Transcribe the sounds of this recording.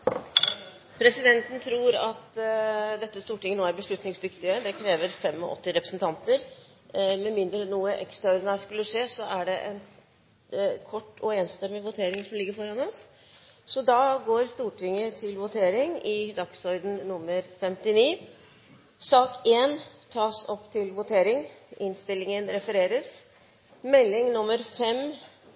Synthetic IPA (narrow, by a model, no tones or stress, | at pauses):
pʰɾɛsɪd̪ɛnt̪n̩t̪ʰɾuːɾɑt̪d̪ɛt̪ːəst̪uːʈɪŋːənoːæɾbəʂɭʉt̪nɪŋsd̪ʏkt̪ɪəd̪ɛkʰɾeːʋəɾfɛmɔ̰ʔɔ̰t̪ːɪɾɛpɾəsn̩t̪ʰɑnt̪əɾ | mɛmɪnd̪ɾənuːəʔɛ̰kst̪ɾɑɔɾd̪ɪnæːskʉlːəʂeːsɔʔæɖɛʔɛn | kʰɔʈːɔeːnst̪ɛmːɪʋʊt̪ʰeːɾɪŋsɔmlɪɡːəɾfɔɾɑnɔs | sɔd̪ɑɡoːɾst̪uːʈʰɪŋːət̪ʰɪlʋʊt̪ʰeːɾɪŋɪd̪ɑksɔɾd̪n̩nʊmːəɾfɛmt̪ɪniː | sɑːkeːnt̪ʰɑːsɔpːt̪ʰɪlʋʊt̪ʰeːɾɪŋʔɪnst̪ɪlːɪŋənɾɛfəɾeːɾəs | mɛlːɪŋnʊmːəɾfɛm